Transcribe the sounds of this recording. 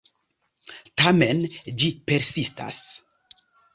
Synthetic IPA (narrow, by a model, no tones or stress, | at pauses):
tame̞nd͡ʒipe̞ɾsista̰s